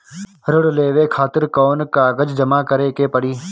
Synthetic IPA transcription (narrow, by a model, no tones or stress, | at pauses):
ɾʊɽleːʋeːkʰaːt̪ɪɾkɔːnkaːɡəd͡ʒd͡ʒəmaːkəɾeːkeːpəɽiː